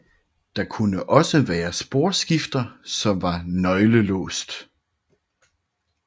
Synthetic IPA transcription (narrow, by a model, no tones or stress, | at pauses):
d̥ɑ̈kʰunəʔɒ̽səʋæːɐsb̥o̝ɐ̰sɡ̥ifd̥ɐsɒ̽mʋɑ̈nɒ̽ɪləlɔ̰ːsd̥